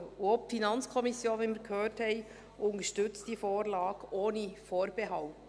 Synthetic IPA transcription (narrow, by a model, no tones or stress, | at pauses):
ɔpfinɑnt͡skʰɔmɪsjoːnʋɛnmɪɾkhøːthɛɪ | ʔʊnəʃtʏt͡std̥iːfoːɾlɑːɡ̥ʔoːnəfoːɾb̥ɛɦɑlt